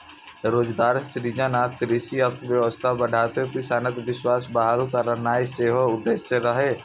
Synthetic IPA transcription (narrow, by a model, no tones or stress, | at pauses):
ɾoːd͡ʒɡaːɾsɾiːd͡ʒənaːk̚t̪ɾiʃiɐk̚t̪ʰʋjəʋəst̪ʰabəɖ̤ʱaːt̪episaːnət̪ʋɪʃwaːsbaɦalukəɾəɾnaːeseːɦoʊd̪ːeːʃəɾəɦeː